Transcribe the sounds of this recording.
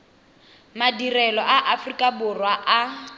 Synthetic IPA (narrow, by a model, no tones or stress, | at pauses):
madirɛlɔʔaʔafrikʼabʊrwaʔa